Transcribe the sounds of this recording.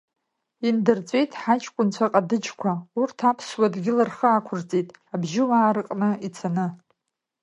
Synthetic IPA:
indɨrt͡sʷʼe̞jtʼħat͡ʃʰʼkʷʼʊnt͡ɕʷʰaqʼadɨd͡ʒkʷʰaurtʰapʰswadɡʲɪlarχəːkʷʰʊrt͡sʼitʼabʒɪwaːɾɨqʼnɨit͡sʰanɨ

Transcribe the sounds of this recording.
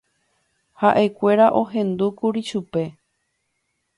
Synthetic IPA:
haʔekʷe̞ɾaʔo̞ɦẽ̞nd̪ukuɾiʃupe̞

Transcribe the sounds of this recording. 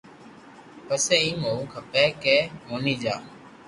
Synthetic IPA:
pəseːĩːŋoːũːkʰəpɛːkeːmoːniːd͡ʒa̰ː

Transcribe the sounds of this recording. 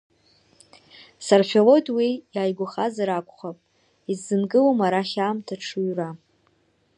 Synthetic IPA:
sarfʲelo̞dwijaːjɡʷʊχazaɾakʷʼχapʼ | izːɨnɡʼɨlomaɾaχʲaːmtʰaʈ͡ʂʰuɥra

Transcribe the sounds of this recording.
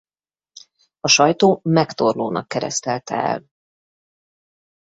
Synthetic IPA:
ɒʃɒjt̪oːmɛkt̪orloːnɒ̰kːɛɾɛ̰st̪ɛlt̪ɛ̰ɛ̰l

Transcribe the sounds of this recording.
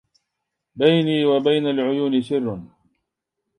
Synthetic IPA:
bajniːwabajnalʕʊjuːnɪsɪrːn

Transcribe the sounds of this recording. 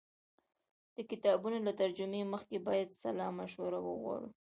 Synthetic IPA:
d̪̥əkɪt̪ɑbunolat̪aɾd͡ʒʊmeməxkebɑjad̪salɑmaʃwaɾawə̰ɣwɑ̰ɽṵ

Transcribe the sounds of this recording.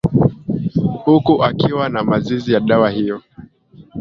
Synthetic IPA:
hukuʔakiwanamazizijaɗawahijɔ

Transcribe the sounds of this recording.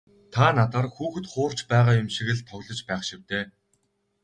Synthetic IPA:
t̪ʰaːnat̪aːrxuːxɘ̆t̪χʊːr̥t͡ɕpæːʁaːjʊmʃiɣɘ̆ɮt̪ʰɔɣɮɞ̆t͡ɕpæːχʃiw̥t̪eː

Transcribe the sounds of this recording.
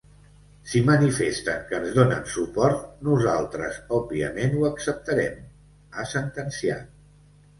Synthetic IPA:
simənifest̪əŋkəːnzðonə̰nsupɔɾt̪̚nuza̰lˠt̪ɾəzɔbbiə̰menuəksəp̚t̪əɾɛm | əsənt̪ənsia̰

